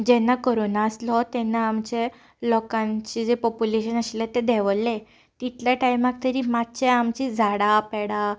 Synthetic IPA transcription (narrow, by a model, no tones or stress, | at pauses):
d͡ʑɛnːakoɾonaəslɔt̪ɛnːaːmt͡ɕe | lɔkãɲt͡ɕid͡zepɔpuleɕənəɕlet̪ed̪ɛʋlːe | t̪it̪ljaʈajmak̚t̪əɾiːmat̪t͡ɕeamt͡ɕid͡zʱaɽapɛɽa